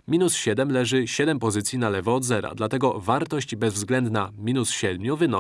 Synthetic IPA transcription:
mʲinusɕɛd̪ɛmlɛʐɘɕɛd̪ɛmpɔzɘt̪sʲjinalɛvɔːd̪zɛɾa̰d̪lat̪ɛɡɔvaɾt̪ɔɕd͡ʑbɛzvzɡlɛnd̪namʲinusɕɛd̪mʲɲuvɘnɔ

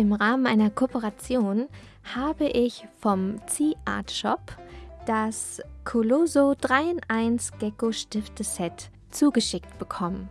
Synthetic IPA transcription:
ɪmʁaːmənʔaɪnɐkʰoːpəʁat͡sjoːn | haːbəʔɪçfɔmt͡siːʔa̰ɐtʃɔpd̥askʰoloːzod̥ʁaɪʊntʔaɪnsɡ̥ɛkoʃtɪftʰəsɛt | t͡suːɡəʃɪk̚tb̥əkʰɔmən

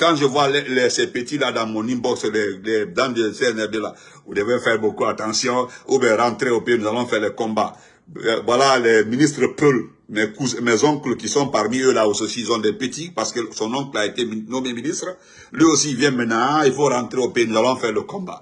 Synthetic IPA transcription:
kãʒəvwalɛlɛsɛpət̪ilad̪ãmɔ̃nĩbɔkslɛlɛd̪ãd̪əseɛnɛʁd̪ela | ud̪əvɾɛfɛɾbokuat̪ɑ̃sjɔ̃ubɛ̃ɾãt̪ɾeopeenuzalɔ̃fɛːʁlɛkɔ̃mba | vwalalɛminist̪ɾəpøl | mɛkumɛzɔ̃ŋkləkisɔ̃paʁmiølausəsisɔ̃d̪ɛpət̪ipaʁsə̥kəsɔ̃nɔ̃ŋklaet̪emnomeminist̪ɾ | lɥiosivjɛ̃mənãilfoɾãnt̪ɾeopenuzalɔ̃fɛʁləkɔ̃mba̰

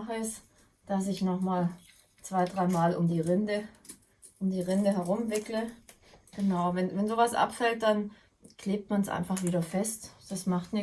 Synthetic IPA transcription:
χɪs | d̥as̬ɪçnɔχmaːl | t͡sv̥aɪdʁaɪmaːlʔʊmdiːʁɪndə | ʔʊmdiːʁɪndəɦɛʁʊmvɪklə | ɡ̥ənaʊvɛnvɛnzoːvasʔa̰pfɛlt̚d̥an | kʰleːp̚tmansʔa̰ɪnfaχv̥iːɾɐfɛstd̥asmaχtnɪ

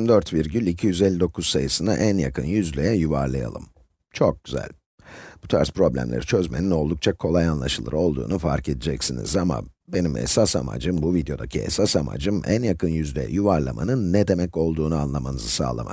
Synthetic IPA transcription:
md̪øɾt̪viɾɟylʲicʰijyzelʲːid̪o̞kʰuz̥sajɯsɯnaʔænjakʰɯnjyzlʲejɛjuvaɾlˠaja̰lˠɯm | t͡ʃʰok̚ɟ̥yzæ̰lʲ | b̥ut̪ʰa̰ɾspɾo̞blʲæ̰mlʲḛɾit͡ʃʰø̞zme̞̰nino̞lˠd̪uk̚t͡ʃʰakʰo̞lˠajanlˠaʃɯlˠɯ̰ɾo̞lˠd̪ṵːnufaɾke̞d̪id͡ʒɛcsinḭzama̰be̞nimḛsasama̰d͡ʒɯmbuvid̪jo̞d̪acʰiḛsasama̰d͡ʒɯmʔæ̰njakʰɯnjyzlʲejɛ̰juvaɾlˠa̰ma̰nɯnːɛd̪e̞mɛco̞lˠd̪uːnuanlˠamanɯ̰zɯsa̰ːlˠa̰ma̰k

